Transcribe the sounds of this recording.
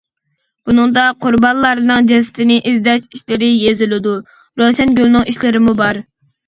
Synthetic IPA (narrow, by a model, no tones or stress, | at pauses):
bunɨŋd̪ɑqʰʊɾbɑnlˠɑɾɨnɨŋd͡ʒɛsɪ̥t̪ʰɪnɪʔizd̪ɛʃiʃlɪɾɪjezɪlɪd̪u | ɾoʃɛnɡʲølˠnɨŋiʃlɪɾɪmubɑɾ